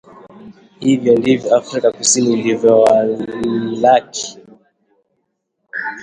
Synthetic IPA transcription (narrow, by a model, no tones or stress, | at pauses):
hivjɔndivjɔafɾikakusinilivjɔwa | laki̥